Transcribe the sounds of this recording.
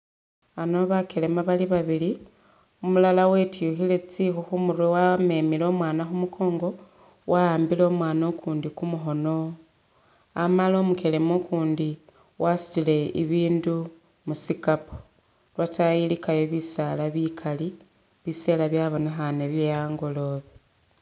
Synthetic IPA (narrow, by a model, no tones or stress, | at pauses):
ano̞βake̞le̞maβaliβaβili | omulalawe̞tijuxile̞t͡sixuxumuɾwewame̞ːmilo̞mwaːnaxumukʰo̞ːŋɡo̞ | wʔaaːmbilo̞mwaːnokʰuːndikumuxo̞no̞ | amalo̞ːmukelemokuːndi | wʔasu̥t͡sile̞ḭβiːndu | musikapo̥ | lwatajilikajoβisalaβikʰali | βise̞laβjaβo̞nexane̞βjejaːŋɡo̞lo̞ːβi